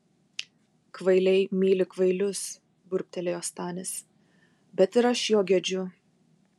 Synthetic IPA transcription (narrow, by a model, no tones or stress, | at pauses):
kʋɐɪlʲɛɪmʲiːlʲɪkʋɐɪlʲʊs | bʊɾʲpʲt̪ʲɛlʲeːjoːst̪ɑːnʲɪs | bʲɛt̪ɪɾɐʃjoːɡʲɛd͡ʒʲʊ